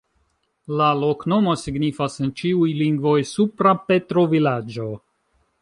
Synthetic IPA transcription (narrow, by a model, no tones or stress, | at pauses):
lalo̞kno̞mo̞siɡnifasent͡ʃiujliŋɡvo̞jsupɾape̞tɾo̞vilad͡ʒo̞